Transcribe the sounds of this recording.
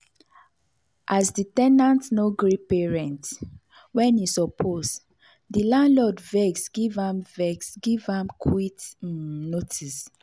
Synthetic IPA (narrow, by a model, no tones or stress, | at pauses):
ʔasditɛnãntnoɡɹipeɹɛ̃nt | wɛ̃nisɔpʰos | dilãnlɔdvɛɡsɡ̥ivãmvɛɡsɡivãmkʰwitnotʰis